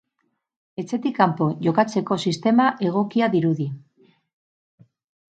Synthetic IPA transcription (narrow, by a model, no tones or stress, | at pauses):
e̞t͡se̞t̪ikːampo̞ʝo̞kat͡se̞ko̞sist̪e̞maʔe̞ɣ̞o̞kiaðiɾuði